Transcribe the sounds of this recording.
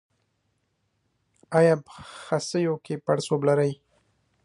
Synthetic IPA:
ajapəxasəjokepaɽsoblaɾaj

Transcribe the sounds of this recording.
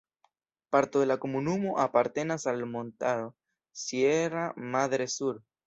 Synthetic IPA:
paɾt̪oðelakomunumoʔapaɾt̪enasalmõnt̪aðo | sjeramaðɾesuɾ

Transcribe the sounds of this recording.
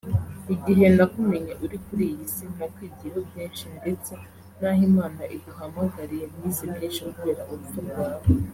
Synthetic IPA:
iɟiɦe̞ndakume̞ɲeʔuɾikuɾijisin̥akwiːɟihobjiːnʃinde̞t͡se̞ | n̥aːhimaːnaʔiduɦamaɡaɾijemɲiːzibjiːʃikuβeːɾaʔoɾutumɡaːβo

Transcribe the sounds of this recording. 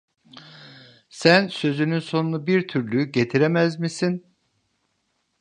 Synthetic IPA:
sænsø̞zynynso̞nunubiɾt̪ʰyɾlʲyyɟe̞t̪ʰiɾemæzmisin

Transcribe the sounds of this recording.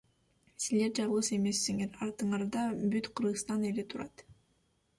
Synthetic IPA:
sizle̞ɾd͡ʒɑʁlˠɯse̞me̞sːiŋe̞ɾɑɾt̪ɯɴɑɾd̪ɑbyt̪qʰɯɾʁɯst̪ɑne̞let̪ʰuɾɑt̪

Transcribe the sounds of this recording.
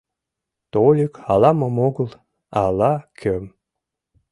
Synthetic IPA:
t̪olʲikɑlɑməmoɣɤ̆l | ɑlɑkʲʰøm

